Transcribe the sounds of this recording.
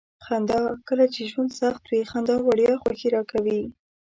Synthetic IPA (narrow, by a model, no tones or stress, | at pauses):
xand̪ɑkəlat͡ʃeʒwand̪saxt̪wixand̪ɑwaɽjɑxwaxiɾɑkawi